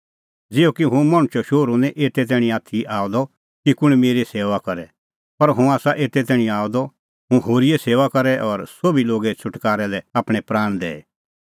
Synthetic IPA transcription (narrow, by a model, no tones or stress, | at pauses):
d͡zɪːokiɦũmaɽ̃ʊt͡ʃɔʃoːɾũnɛ̃ʔeːt̪ɛt̪̬ɛːɽ̃ĩaːt̪ʰiʔaːɔd̪ɔ | kikʊɽ̃ɛmeːɾeseːʋakɐɾɛ | pɐɾɦũaːsaʔeːt̪ɛt̪ɛːɽ̃ĩaːɔd̪ɔ | ɦũɦoːɾijɛseːʋakɐɾɛʔɔɾsobiloːɡɛt͡ʃʰʊʈkaːɾɛlɛaːpɽ̃ɛ̃pɾaːɽ̃d̪ɛ̰ːɛ